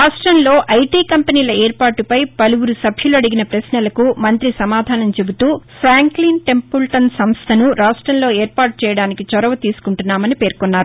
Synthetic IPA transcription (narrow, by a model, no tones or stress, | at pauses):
ɾaːʂʈɾɐmlo̞ːʔɐjʈiːkɐmpɐniːlɐeːɾpaːʈːupɐjpɐluwuɾusɐbʱjuluɐɽiɡinɐpɾɐsnɐlɐkumɐnt̪ɾisɐmaːd̪ʱaːnɐmt͡ʃe̞but̪uːpʰɾaːŋklinʈe̞mpulʈɐnsɐmst̪ʰɐnuɾaːʂʈɾɐmlo̞ːeːɾpaːʈ̚t͡ʃɛːjɐɽaːnikit͡ʃɔɾɐʋɐt̪iːsu̥kuɳʈunːaːmɐnipe̞ːɾkonːaːɾu